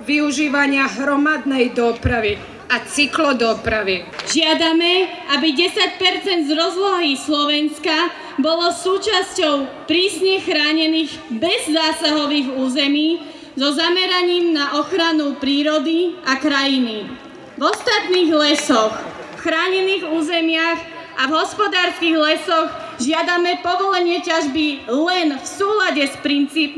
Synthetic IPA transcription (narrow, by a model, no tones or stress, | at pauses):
ʋiuʒiːʋaɲɪaɦɾɔmad̪nɛjd̪ɔpɾaʋi | at͡siklɔd̪ɔpɾaʋiʒɪad̪amɛʔabiɟɛsac̚pɛɾt͡sɛnd̪zɾɔzlɔɦislɔʋɛnska | bɔlɔsuːt͡ʃascɔʊ | pɾiːsɲɛxɾaːɲɛniːɣbɛzːaːsaɦɔʋiːɣuːzɛmiː | zɔzamɛɾaɲiːmnaʔɔxɾanupɾiːɾɔd̪iakɾajini | vɔst̪at̪niːɣlɛsɔxfxɾaːɲɛniːɣuːzɛmɪaɣ | ʔavɦɔspɔd̪aːɾskiɣlɛsɔɣ | ʒɪad̪amɛpɔʋɔlɛɲɪɛcaʒbilɛnfsuːlaɟɛspɾint͡siːp